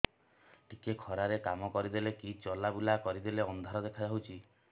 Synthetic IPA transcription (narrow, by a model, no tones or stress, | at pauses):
ʈʰikekʰɔɾaɾekamɔkɔɾid̪elekit͡ʃɔlabulakɔɾid̪eleɔnd̪ʱaɾɔd̪ekʰad͡ʒaɦut͡ʃʰi